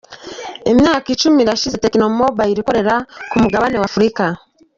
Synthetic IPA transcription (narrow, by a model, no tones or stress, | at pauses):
emjaːkit͡ʃumiɾaʃizetekinomobaiɾiko̞ɾe̞ɾakumuɡaβanewafuɾika